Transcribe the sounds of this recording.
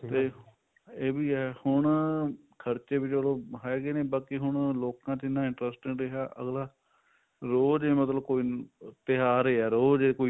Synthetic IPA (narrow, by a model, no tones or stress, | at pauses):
t̪eː | eːbiːɛhʊɳ | kʰəɾt͡ʃeːbɪt͡ʃbəlõːɦɛːɡeːneːbəːkiɦʊɳloːkãːt͡ʃɪnːãːɪɳʈɾɛsʈɪ̃ŋɡɾeɦaːʔə̰ɡlaː | ɾoːd͡ʒeːmət̪ləb̚koːiːt̪ɪɦaːɾeːɛːɾoːd͡ʒeːkoːi